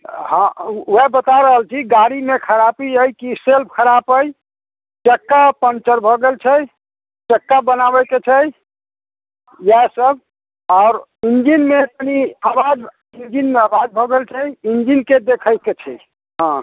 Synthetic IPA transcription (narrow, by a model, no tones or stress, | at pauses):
ɦə̃uebət̪aɾəɦəlt͡ʃʰiɡaɾimekʰəɾapiəjkiselp̚kʰəɾapəj | t͡ʃəkːapənt͡ʃəɾbʱoɡelt͡ʃʰəj | t͡ʃəkːabənabəket͡ʃʰə | jasəb̚ʱ | ɔʊɾ | ind͡ʒinmet̪əniabad͡ʒ | ind͡ʒinmeəbad͡ʒbʱoɡelt͡ʃʰəjind͡ʒinked̪ekʰəjket͡ʃʰɛ̰j | ɦã